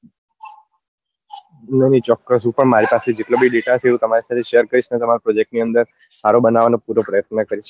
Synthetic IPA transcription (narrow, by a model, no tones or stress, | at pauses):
nənit͡ʃɔkːəsɦũpəɳmaɾipased͡ʒeʈlobiɖeʈaʃʰeũt̪əmaɾisat̪ʰeʃejəɾkəɾiʃnet̪əmaɾopɾod͡ʒek̚ʈniənd̪əɾ | saɾobənaʋanopuɾopɾəjət̪̚nəkəɾiʃ